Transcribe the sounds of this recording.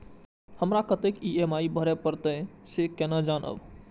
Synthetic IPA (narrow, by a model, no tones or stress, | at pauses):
həmɾakət̪ekiemaibʱəɾɛpəɾt̪əsekenəd͡ʒanə̰b